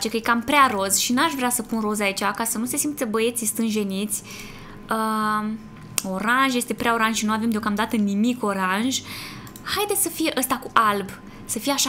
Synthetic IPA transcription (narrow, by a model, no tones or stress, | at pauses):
t͡ʃe̞kəjekampɾearo̞zʃinuaʃvɾeasəpunrozait͡ʃakasənuse̞simt̪ebəje̞t̪sist̪ɨnʒe̞nit̪sʲ | ə | o̞ɾanʒjest̪e̞pɾeao̞ɾanʒʃinuave̞md̪eokamd̪at̪ənimiko̞ɾanʒ | hajd̪esʲsəfije̞ʔəst̪akuʔalb | səfijeaʃa